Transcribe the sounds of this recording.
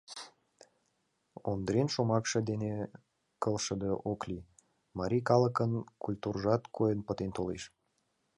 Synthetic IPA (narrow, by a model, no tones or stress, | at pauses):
ond̪ɾenʃomɑkʃɤ̆d̪ene | kəlʃəd̪eʔoklʲi | mɑɾʲikɑləkənkulʲt̪urʒɑt̪kojənpət̪ent̪oleʃ